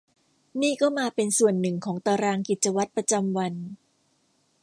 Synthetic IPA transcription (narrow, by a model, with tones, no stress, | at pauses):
niː˥˩kɔː˥˩maː˧pe˧nsu˨˩ənːɯ˨˩ŋkʰɔː˩˦ŋt̪aː˧ɾaː˧ŋki˨˩t̪̚t͡ɕa˧wa˦˥t̪̚pɾa˧t͡ɕa˧mwa˧n